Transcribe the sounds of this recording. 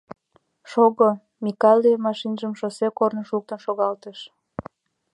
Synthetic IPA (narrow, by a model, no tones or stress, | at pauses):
ʃoɣo | mikɑlʲiemɑʃinʒəmʃosekornəʃuk̚t̪ənʃoɣɑlt̪əʃ